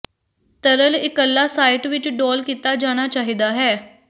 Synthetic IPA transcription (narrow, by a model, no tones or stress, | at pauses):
t̪əɾəlɪkəlːaːsaːɪʈʋɪt͡ʃɖɔːlkiːt̪aːd͡ʒaːɽ̃aːt͡ʃaːɦiːd̪aːɦɛː